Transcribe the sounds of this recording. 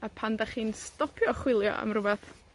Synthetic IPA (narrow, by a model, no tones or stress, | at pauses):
apʰandaχiːnstɔpʰjɔχwɪlˠjɔ̰a̰mrʊbɛθ